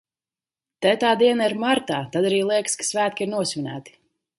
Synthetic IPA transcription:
t̪ɛt̪aːd̪iɛnaiɾmaɾt̪aːt̪ad̪aɾiːlˠiɛkskḁsvæːt̪̚kʲiiɾnuɔsʲvʲinæ̰ːt̪i̥

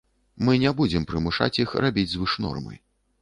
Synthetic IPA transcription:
mɨnʲɛbud͡zʲɛmpɾɨmuʂa̰t͡sʲjixrʔabʲid͡zʲzvɨʂnɔ̰rmɨ̰

